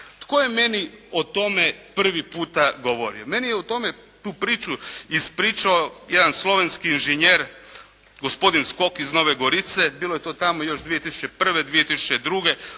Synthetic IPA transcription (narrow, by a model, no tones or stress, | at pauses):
t̪koje̞me̞niot̪o̞mepr̩ʋipuːt̪aɡoʋo̞ɾḭome̞nijeut̪o̞me | t̪uːpɾiːt͡ʃuispɾiːt͡ʃaojed̪anslˠo̞ʋenskiːnʒeɲeɾ | ɡospo̞d̪insko̞kizno̞ʋeɡoɾit̪sebiːlo̞je̞t̪o̞ːt̪amo̞jo̞ʃd̪ʋije̞t̪isu̥t͡ʃe̞pr̩ʋed̪ʋijet̪isu̥t͡ʃed̪ɾuɡe